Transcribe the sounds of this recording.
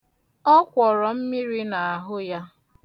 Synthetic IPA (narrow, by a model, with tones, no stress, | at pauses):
ɔ˦kʷɔ˨ɾɔ˨m̩˦mi˦ɾi˦na˨a˨ɦʊ˦ja˦